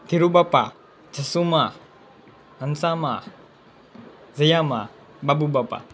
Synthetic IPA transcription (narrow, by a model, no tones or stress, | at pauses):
t̪iɾubapa | d͡ʒɐsuma | ɐnsama | zɐjama̰ | babubapa̰